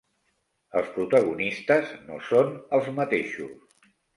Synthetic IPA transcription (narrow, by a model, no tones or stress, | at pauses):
əlˠspɾut̪əɣunist̪əzno̰sonəlˠzmət̪eʃus